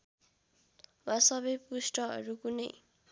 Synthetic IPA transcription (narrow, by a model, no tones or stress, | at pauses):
wasʌβʌjpusʈʌɦʌ̰ɾukunʌj